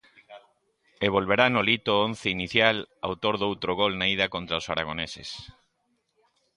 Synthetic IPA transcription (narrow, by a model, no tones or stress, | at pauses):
eβ̞olβ̞eɾanolit̪oõn̟θeiniθjala̰wt̪oɾðowt̪ɾoɣolnaiðakont̪ɾaosaɾa̰ɣ̞onesḛs